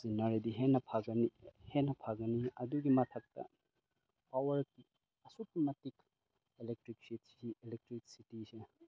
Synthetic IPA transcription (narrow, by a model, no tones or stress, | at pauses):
zinɐɾidiɦenɐpʰaɡɐnihenːɐpʰaɡɐniɐduɡimɐtʰɐk̚tɐ̰ | pawɐɾki | ɐsutimɐtik | elek̚tɾik̚si | ielek̚tɾik̚sitise